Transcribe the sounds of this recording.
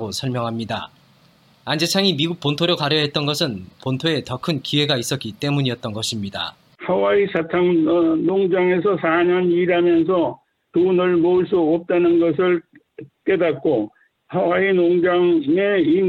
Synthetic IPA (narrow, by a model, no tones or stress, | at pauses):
ɡosʰʌɭmjʌŋɦamɲida̰ | and͡ʑe̞t͡ɕʰaŋimiɡuk̚p͈ontʰoɾjokaɾjʌɦe̞t̚t͈ʌnɡʌsʰɯnpontʰoe̞tʌkʰɯnkiwe̞ɡais͈ʌtk͈it͈e̞muɲiʌt̚t͈ʌnɡʌɕʰimɲida̰ | hawaisatʰaŋnoŋd͡ʑaŋe̞s̬ʰʌsʰaɲʌniɾamjʌns̬ʰʌ | tunɯɭmoɯɭs̬͈uʌp̚t͈anɯnɡʌsʰɯɭ | k͈e̞dat̚k͈o | hawainoŋd͡ʑaŋei